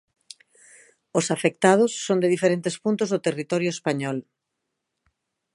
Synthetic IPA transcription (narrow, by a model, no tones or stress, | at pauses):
ʊsafek̚t̪að̞ʊsːond̪eðifeɾent̪espunt̪ʊzðot̪erit̪ɔɾjʊespaɲɔl